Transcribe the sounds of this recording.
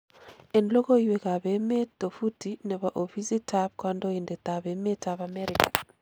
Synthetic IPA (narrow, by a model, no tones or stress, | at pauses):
ɛnlokoiwekaβemetofutinɛβaʔofisitʰapkwandoindɛt̪aβemetaβamɛɾikḁ